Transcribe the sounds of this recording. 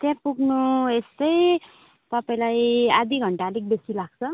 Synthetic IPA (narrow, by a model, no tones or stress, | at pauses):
t̪jãpuɡnuest̪ʌj | t̪ʌpaĩlajad̪ʱiɡʱʌɳʈalik̚besilaɡ̚t͡sʰʌ